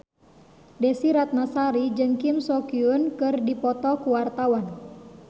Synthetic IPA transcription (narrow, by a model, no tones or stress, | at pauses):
dɛsiɾat̪̚masaɾid͡ʒɨŋkimsɔkiunkɨrdipɔt̪ɔkuwart̪awan